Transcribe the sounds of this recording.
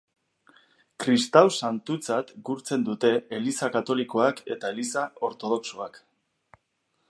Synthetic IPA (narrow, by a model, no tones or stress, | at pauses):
kɾist̪awsant̪ut͡sat̪ɡuɾt͡se̞nd̪ut̪e̞elisakat̪o̞liko̞ake̞̰t̪ae̞lisao̞ɾt̪o̞ð̞o̞ksoak